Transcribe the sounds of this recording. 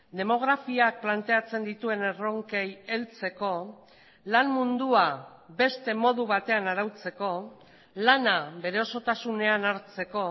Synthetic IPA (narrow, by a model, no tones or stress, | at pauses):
d̪e̞mo̞ɣ̞ɾafiak̚plant̪e̞at͡se̞nd̪it̪ue̞ne̞ro̞ŋkeje̞lt͡se̞ko̞ | lanmund̪ua | be̞st̪e̞mo̞ðuβat̪e̞anaɾawt͡se̞ko̞ | lanaβe̞ɾe̞o̞so̞t̪asune̞anaɾt͡se̞ko̞